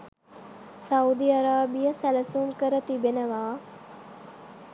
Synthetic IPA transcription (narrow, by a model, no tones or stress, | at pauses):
saud̪iaɾaːbijəsæləsuŋkəɾət̪ibenəʋaː